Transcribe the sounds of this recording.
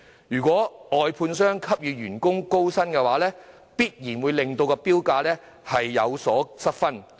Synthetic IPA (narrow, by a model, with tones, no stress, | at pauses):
jyː˨˩kʷɔː˨˥ɔː˨jpʰuː˧nsœː˥ŋkʰɐ˥p̚jyː˨˧ɥyː˨˩nkʊ˥ŋko˥wsɐ˥nkɛː˧waː˨˥lɛː˥ | piː˥t̚jiː˨˩nwuː˨˧jlɪ˨ŋt̪o˧wkɛ˧piː˥wkaː˧lɛː˥ | hɐ˨jːɐ̰˨˧wsɔː˨˥sɐ˥t̚fɐ˥n